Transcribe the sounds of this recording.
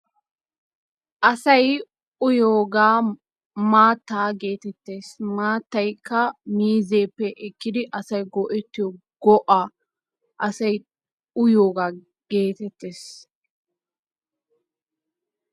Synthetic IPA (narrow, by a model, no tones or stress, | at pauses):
ʔɐsɐj | ʊjoːɡaː | maːt̪ːaːɡe̞ːt̪ɛt̪ːe̞ːsmaːt̪ːɐjkʰːɐmiːze̞ːpːɛʔɪkːɪd̪ɪʔɐsɐjɡɔʔɛt̪ːɪjɔ | ɡ̥ɔʔaː | ʔɐsɐj | ʊjoːɡaː | ɡ̥e̞ːt̪ɛt̪ːe̞ːs